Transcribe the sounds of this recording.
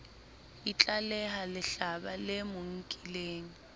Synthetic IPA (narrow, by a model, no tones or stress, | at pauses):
it͡ɬʼalɛɦalɪɬabalɪmʊŋ̩kʼileːŋ̩